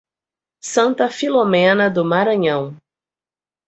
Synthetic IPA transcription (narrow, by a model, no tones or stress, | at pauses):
sɐ̃nt̪ɐfilomẽnɐd̪ʊmaɾɐ̃ɲɐ̃w̃